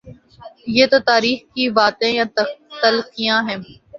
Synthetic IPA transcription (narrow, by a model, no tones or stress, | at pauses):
jeːt̪ot̪aːɾiːxkibaːt̪ẽjãːt̪əlkijãɦɛ̃ː